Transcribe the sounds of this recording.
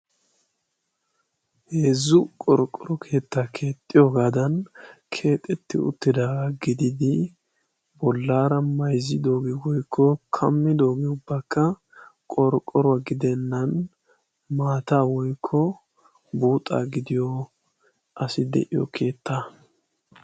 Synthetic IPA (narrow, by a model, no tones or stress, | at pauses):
heːzːʊkʼɔɾkʼːɔɾɔkʰe̞ːt̪ːaːkʰe̞ːt̪ʼːɪjoːɡaːd̪ɐnkʰe̞ːt̪ʼːɛt̪ːɪʊ̰t̪ːɪd̪aːɡɪd̪ɪd̪ɪ | bɔlːaːɾɐmɐjzɪd̪o̞ːɡɛwɔjkʰːɔkʰɐmːɪd̪o̞ːɡɛʊbːakːɐ | kʼɔɾkʼːɔɾɔwɐɡɪd̪ɛnːɐn | maːt̪aːwɔjkʰːɔ | buːt̪ʼːa̰ːɡɪd̪ɪjɔ | ʔɐsɪd̪ɛ̰ʔɪjɔ̰kʰe̞ːt̪ʰːaː